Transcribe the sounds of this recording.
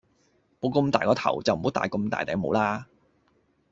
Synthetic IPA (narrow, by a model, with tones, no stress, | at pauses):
mo˨˧wkɵ˧mt̪aː˨jkɔː˨˧t̪ʰɐ˨˩wt͡sɐ˨wm̩˨˩ho˨˥t̪aː˨˩jkɵ˧mt̪a̰ː˨jt̪ɛ̰ː˨˧˩mo˨˧˥wlaː˥